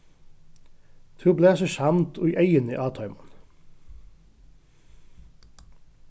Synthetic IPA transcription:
t̪ʰʉːbleːsɔʃɑmt̪ʰo̰ːiːʔœʏənḭːʔɑːt̪ʰɑʏmɑn

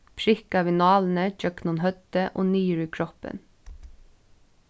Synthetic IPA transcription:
pʰɹɪkɑʋɪnɑːln̩əd͡ʒœknʊnhœt̪əʔo̰ːniːəɹʉːkʰɹɔpə̰n

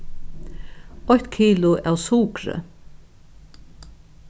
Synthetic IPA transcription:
ɔçt̪kʰiːlʊʔæwsuːkɾə̰

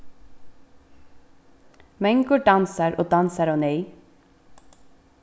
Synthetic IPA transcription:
mɛŋɡʊɖɑnsəɾʔoːd̪ɑnsəɾoːnœʏ

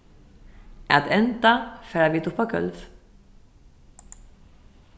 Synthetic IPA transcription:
at̪ɛnt̪afɛːɾaviːt̪ʊpːaɡœ̰lv

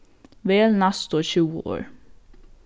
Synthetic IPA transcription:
ʋeːlnɑst̪oːçʉːə̰ʔo̰ːɹ

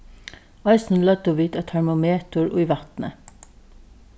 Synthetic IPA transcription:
ɑɪsn̩lœt̪oːʋiːt̪ɑːt̪ʰæɹmʊmeːt̪ʊɹʔʉʏʋɑt̪nə̰

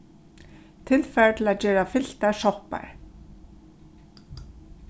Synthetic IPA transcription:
t̪ʰɪlfɛɹt̪ʰɪlaðt͡ɕɛːɾafɪl̥t̪asɔhpa̰ɾ̥

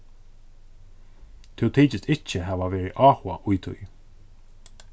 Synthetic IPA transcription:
t̪ʰɪwt̪ʰiːt͡ʃɪst̪ɪt͡ʃːəɦæːvavɛːɹɪʔɑːhwa̰ʔʊjt̪ʰʊ̰j

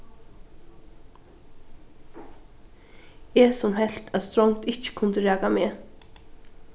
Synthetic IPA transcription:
ɛːsɔmɦɛl̥t̪ʰæðst̪ɾɔŋt̪ɪht͡ʃə̥kʰʊnt̪əɾæːkameː

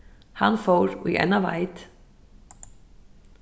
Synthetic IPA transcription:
hanːfoːwɾḭʔɛ̰nːava̰ːjt̪

